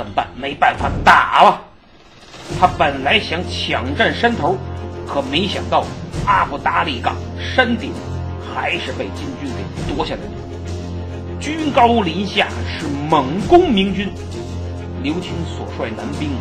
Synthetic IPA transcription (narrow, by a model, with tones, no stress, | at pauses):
ə˨˩npa̰˥˩nme˧˥ɪpa˥˩nfa˨˩t̪a˨˩˦bɐ˧ | t̪ʰa˥pə˨˩nla˧˥ɪɕjɑ˧˥ŋt͡ɕʰjɑ˨˩ŋʈ͡ʂə˥˩nʂə˥nt̪ʰo˧˥ʊkʰɤ˨˩me˧˥ɪɕjɑ̰˨˩ŋt̪ɑ˥˩ʊa˥fu˧˩t̪a˧˥li˨˩kɑ̰˨˩ŋ | ʂə˥nt̪i˨˩˦ŋ | xa˧˥ɪʂɻ̩˥˧pe˥˩ɪt͡ɕi˥nt͡ɕy˥nke˨˩ɪt̪wɔ˥ɕja˥˩d̪ə˧˩t̪u˨˧˩ | t͡ɕy˥nkɑ˥ʊu˧li˧˥nɕja̰˥˩ʂɻ̩˥˩mə˨˩ŋkʊ˥ŋmi˧˥ŋt͡ɕy˥n | ljo˧˥ʊt͡ɕʰi˧˥nswɔ̰˨˩ʂwa˥˩ɪna˧˥npi˥ŋ